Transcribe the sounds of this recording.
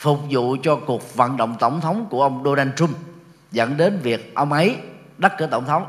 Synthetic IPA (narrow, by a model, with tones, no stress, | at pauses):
fʊ˨˩k͡p̚zṵ˧˨t͡ɕɔ˧ku˨˩ək̚və̰˧˨nɗə̰˧˨wŋ͡mt̪ə˧˩wŋ͡mt̪ʰə˨˦wŋ͡mku˧˩əʔə˧wŋ͡mɗo˧ɗaː˧nt͡ɕʊ˧ŋ͡mm | zə̰˧˥˨nɗe˨˦nvi˨˩ək̚ʔə˧wŋ͡mʔə˨˦j | ɗə˦˥kɨː˧˩ət̪ə˧˩wŋ͡mt̪ʰə˨˦wŋ͡m